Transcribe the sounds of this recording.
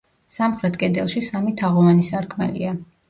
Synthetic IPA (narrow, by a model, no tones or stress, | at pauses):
samχɾɛt̪ʰkʼɛd̪ɛlˠʃisamit̪ʰaʁɔvanisaɾkʰmɛ̰lḭa